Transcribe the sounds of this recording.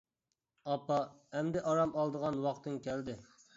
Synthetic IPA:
ɑpɑɛmd̪ɪʔɑɾɑmɑlˠd̪əʁɑnwɑqt̪ɨŋkʲɛld̪ɪ

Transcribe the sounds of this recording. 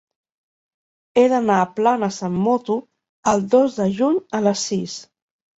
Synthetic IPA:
eðənaːplanəsamːɔt̪u | əlˠd̪ozðəʒuɲələsːis

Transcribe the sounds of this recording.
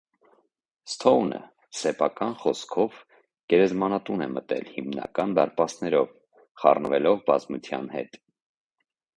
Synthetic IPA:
st̪ʰɔwnə̰ | sɛpʰɑkɑnχɔskʰɔv | ɡ̥ɛɾɛzmɑnɑt̪unɛmət̪ɛ̰lhimnɑ̰kɑnd̪ɑɾpɑsnɛɾɔv | χɑ̰rnəvɛlɔvbɑzmut͡sʰjɑ̰nhɛ̰t̪

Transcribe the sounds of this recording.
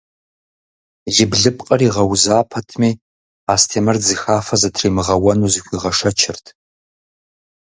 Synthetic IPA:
jɪbɮɨpʼqʼɐriːʁɐwzaːpʰɐtʰmiː | aːstʰeːmɐrzixaːfɐzɐtʰriːmɨʁɐwɐnuːzɨxʷiːʁɐʂɐt͡ʃʰɪrtʰ

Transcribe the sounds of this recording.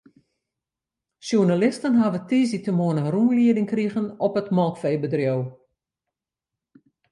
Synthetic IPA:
sjunalɪstənɦaʋətiːzitəmoənənrumliədɪŋkriɣənɔpətmɔlˠkfeːbədrjow

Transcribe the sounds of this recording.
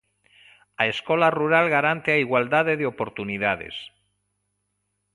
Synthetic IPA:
aeskolaruɾalɣaɾant̪eaiɣwald̪aðeðeopo̞ɾt̪uniðað̞ḛs

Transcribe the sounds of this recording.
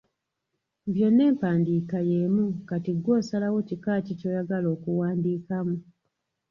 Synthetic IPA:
βjo̞nːe̞ːmpaːndiːkajemukatiɡwo̞ːsalawo̞cikaːtico̞ːjaɡalo̞ːkuwaːndiːkamu

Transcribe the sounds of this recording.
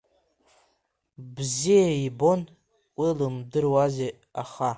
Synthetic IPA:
bzijaibo̞n | wilɨmdɨrwaze | aχa

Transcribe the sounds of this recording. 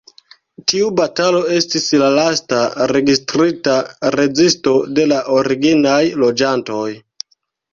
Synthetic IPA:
tiubatalo̞e̞stislalastaɾe̞ɡistɾitaɾe̞zisto̞de̞laʔo̞ɾiɡinajlo̞d͡ʒanto̞j

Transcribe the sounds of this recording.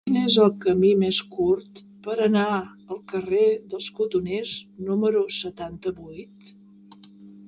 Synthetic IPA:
kinezəlˠkəmimeskuɾt̪ | pəɾəna | əlˠkəreðəlˠskut̪uneznuməɾusət̪ant̪əβujt̪

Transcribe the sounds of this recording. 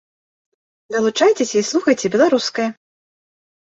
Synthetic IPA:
d̪ɐlˠut͡ʂajt͡sʲesʲɐislˠuxɐjt͡sʲɛbʲɛlˠaɾuskɐjɐ

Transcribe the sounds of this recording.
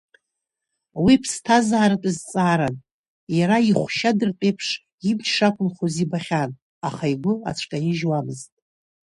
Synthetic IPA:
wipʰstʰazaːɾɨtʼɨzt͡sʼaːɾan | jaɾaiχʷʃadɨrtʼejpʰʂ | imt͡ʃʰʂakʷʼʊmχozibaχʲan | aχaiɡʷʊa̰t͡ʃʷʰkʼajɪʒwamɨztʼ

